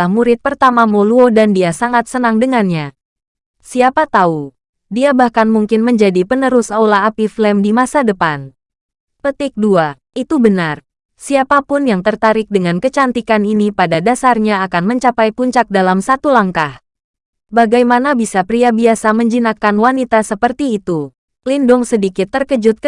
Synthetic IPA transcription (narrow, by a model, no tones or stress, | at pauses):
ahmuɾɪt̪̚pərt̪amamoluodandiasaŋat̪̚sənaŋdəŋanɲa | siapat̪au | diabahkanmuŋkɪnməɲd͡ʒadipənəɾʊsaulaːpiflɛmdimasadəpan | pət̪ɪk̚dua | ʔit̪ubənar | siapapʊnjaŋt̪ərt̪aɾɪk̚dəŋankət͡ʃant̪ikaninipadadasarɲaːkanməɲt͡ʃapajpuɲt͡ʃak̚dalamsat̪ulaŋkah | baɡajmanabisapɾiabiasaməɲd͡ʒinakanwanit̪asəpərt̪iːt̪u | lindʊŋsədikɪt̪ːərkəd͡ʒʊt̪̚